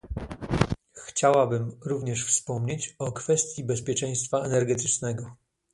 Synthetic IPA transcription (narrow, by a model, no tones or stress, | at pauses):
xt͡ɕawabɘmɾuvɲɛʂfspɔmɲet͡ɕɔkfɛst̪ʲjibɛspʲjɛt͡ʂɛ̃j̃st̪faɛnɛɾɡɛt̪ɘ̥t͡ʂnɛɡɔ